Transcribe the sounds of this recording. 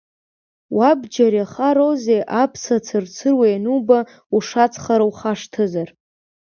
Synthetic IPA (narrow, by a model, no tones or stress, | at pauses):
wabd͡ʒaɾjaχaɾozejʔapʰsat͡sʰɨrt͡sʰɨrwejnuba | uʂat͡sʰχaɾawχaʂtʰɨzar